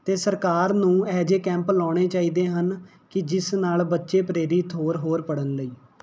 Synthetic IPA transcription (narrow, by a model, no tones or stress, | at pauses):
t̪eːsəɾkaːɾnũːɛːd͡ʒeːkɛ̃ːmplɔːɽ̃eːt͡ʃaːiːd̪eːɦən | kɪd͡ʒɪsnaːlbətːʃeːpɾeːɾiːt̪ʰoːɾɦoːɾpəɽənləiː